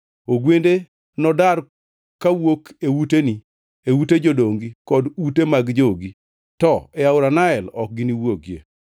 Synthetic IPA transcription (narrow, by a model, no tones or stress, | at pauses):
oɡwende | nɔdaɾ | kawokewuteni | ewuted͡ʒodoŋɡikɔdutemaɡd͡ʒoɡi | tɔɛaʊɾanaɛlɔk̚ɡiniwoɡjḛ